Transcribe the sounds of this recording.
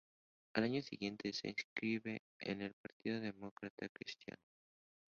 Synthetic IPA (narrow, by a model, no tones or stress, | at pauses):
alaɲosiɣje̞nt̪e̞sḛːskɾiβe̞ | ḛne̞lpaɾt̪iðoðe̞mo̞kɾat̪akɾist̪ja̰no